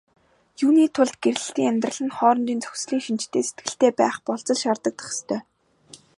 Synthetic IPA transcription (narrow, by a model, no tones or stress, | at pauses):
juːniːt̪ʰʊɮt̪̚ɡ̥eɾɮɘ̆ɬt̪iːŋæmʲt̪rə̆ɮə̆nχɔːɾɞ̆nt̪iːnt͡sɵ̥xsɮiːŋʃint͡ɕt̪ʰeːse̥t̪̚ɡɘ̆ɬt̪eːpæːχpɔɮt͡sɞ̆ɮʃart̪ə̆k̚t̪ʰḁχ̆st̪ʰœː